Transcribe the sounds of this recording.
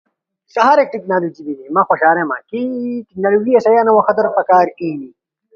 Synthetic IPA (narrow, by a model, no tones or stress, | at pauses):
sɐɦaːɾek̚ʈiknaːluːd͡ʒibid̪imãxoɕaːɾemã̰kiʈik̚naːluɡiɐsɐjaːnɐwɐxɐt̪ɐɾpɐkaːɾini